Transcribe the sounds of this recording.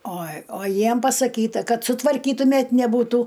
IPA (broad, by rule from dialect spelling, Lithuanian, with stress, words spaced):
oː oː ˈjiɛm pɐsɐˈkʲiːtɐ ˈkɐt sʊtʋɐrʲˈkʲiːtʊmʲɛtʲ nʲɛˈbuːtuː